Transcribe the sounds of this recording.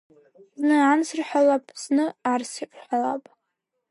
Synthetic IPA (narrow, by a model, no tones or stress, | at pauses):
znɨansɨrħalapʼznɨarsipʷʼħʷalapʼ